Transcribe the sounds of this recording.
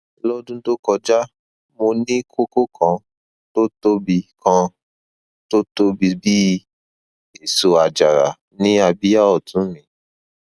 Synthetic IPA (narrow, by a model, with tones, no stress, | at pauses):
lɔ˦dũ˦to˦kɔ˧d͡ʒa˦ | mo˧nĩ˦kʰo˦ko˦kʰã˧˦ | to˦to˦bi˧kʰã˧ | to˦to˦bi˧bi˦ | e˦˨so˨a˨d͡ʒa˨ɾa̰˨ | nĩ˦a˧bi˦ja˦ɔ˨tũ˨˦mĩ˨˦